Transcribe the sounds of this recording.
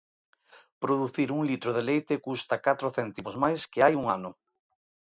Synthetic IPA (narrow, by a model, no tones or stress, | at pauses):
pɾoðuθiɾuŋlit̪ɾoðelejt̪ɪkust̪ɐkat̪ɾoθɛnt̪imozmajskɪajuŋanʊ